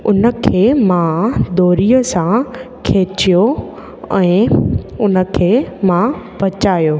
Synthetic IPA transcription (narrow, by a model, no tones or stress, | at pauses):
ʊnə̆kʰeːmãd̪oːɾiːəsã | kʰeːt͡ɕijo | ɛ̃ːʊnə̆kʰeːmãpɐt͡ɕaːjoː